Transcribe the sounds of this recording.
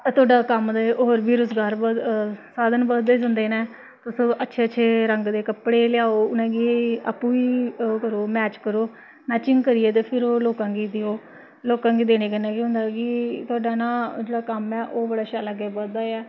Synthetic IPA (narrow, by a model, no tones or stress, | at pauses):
t̪ʊaːɖaːkəmd̪aːeʔoːɾbiːɾʊzɡaːɾəsaːd̪ənbəɾd̪eːd͡ʒə̃nd̪eːnɛ̃ː | t̪ʊsõːʔətːʃʰeːətːʃʰeːɾəŋɡd̪eːkəpɽeːlɪjaːoːʊnɛ̃ːɡiːa̰pːũːiːkəɾoːmɛːt͡ʃkəɾoː | naːt͡ʃɪŋɡkəɾiːeːt̪̬eːpʰɪɾoːloːkãːɡiːd̪eoː | loːkãːɡiːd̪eːneːkənɛːkiɦʊ̃ːnd̪aːɡiːt̪ʊaːɖaːnãːd͡ʒeːɽaːkəmɛːʔoːbəɽaːʃaːlaːɡɛːbəɾd̪aːɛː